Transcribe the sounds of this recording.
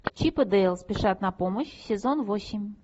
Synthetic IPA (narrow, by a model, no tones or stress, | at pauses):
t͡ɕipəd̪ɛlˠspʲɪʂat̪nɐpoməɕsʲezonvosʲimʲ